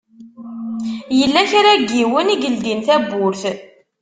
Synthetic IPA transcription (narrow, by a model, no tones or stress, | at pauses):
jəlːæçaɾaɡːiwəniɡəld̪inθæbʊɾθ